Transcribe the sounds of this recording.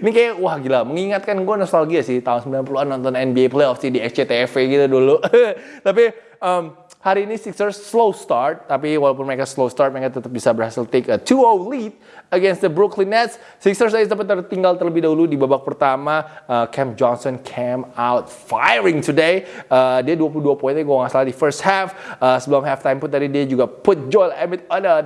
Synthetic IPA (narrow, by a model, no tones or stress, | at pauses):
inikajawahɡilaməŋiŋat̪̚kanɡuanɔst̪alɡiasɪht̪aunsəmbilanpəuluanːɔnt̪ɔnɛnbieplejɔfsidiɛst͡ʃet̪eɛfeɡit̪udulut̪ap̬i | əm | haɾiːnisiksərsːlowst̪art̪ːapiwalawp̬ʊnməɾekaslowst̪art̪̚məɾekat̪ət̪əp̚bisabərhasɪlt̪ekət̪ʰuowlit̪̚ | əɡɛnsd̪əbɾuklinːɛt̪sːɪksərs̬asd̪apət̪ːərt̪iŋɡalt̪ərləbɪhdaɦuludibabak̚pərt̪amaəkʰɛmd͡ʒɔnsɔnkʰemawt̪̚fajɾɪŋt̪ʰudejədiaduap̬uluduapoinaɡuaŋasalat̪difərst̪̚hɛfəsəbəlɔmɦɛft̪ajmpʊnt̪adidiad͡ʒuɡapʊt̪̚d͡ʒɔjlɛmɪt̪̚ɔnə